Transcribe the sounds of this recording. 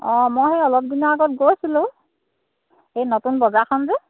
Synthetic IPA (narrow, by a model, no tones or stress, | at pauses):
ɔ̃mojhɛɔlɔp̚dinɔaɡɔt̚ɡojsilʊ̃ | ejnotunbɔzakʰɔnzɛ